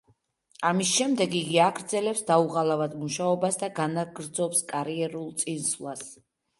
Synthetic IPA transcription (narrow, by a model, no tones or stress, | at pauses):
amisʃɛmd̪ɛɡiɡiaɡɾd̪zɛlɛpsd̪auʁalˠavad̪muʃaɔbasd̪aɡanaɡɾd̪zɔpskʼaɾiɛɾulˠt̪sʼinsvlˠas